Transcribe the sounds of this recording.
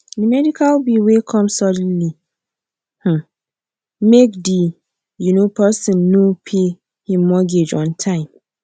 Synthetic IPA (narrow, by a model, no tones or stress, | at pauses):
dimɛdikʰalbiwekʰɔ̃msɔdnli | h̩ | mekdi | junopʰɛsĩnːopʰe | hĩmːɔɡed͡ʒɔ̰̃ntʰãɪ̃m